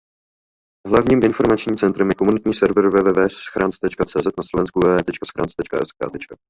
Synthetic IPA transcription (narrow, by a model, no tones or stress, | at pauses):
ɦlavɲiːmʔɪnfo̞ɾmat͡ʃɲiːmt͡sɛnt̪ɾɛmjɛko̞munɪt̪ɲiːsɛɾvrvɛːvɛːvɛːsxɾʔaːnt͡st̪ɛt͡ʃkat͡sɛːzɛt̪naslo̞vɛnskuvɛːvɛːt̪ɛt͡ʃkasxɾaːnt͡st̪ɛt͡ʃkaʔɛ̰ska̰ːt̪ɛt͡ʃka